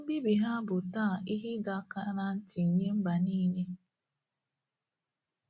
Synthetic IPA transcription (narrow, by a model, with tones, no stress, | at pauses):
o˦bi˦bi˨ɦa˦bʊ˨taː˦˨i˦ɦi˦da˨˦ka˦na˦n̩˦ti˨ɲe˦m̩˦ba˨niː˦ɲe˦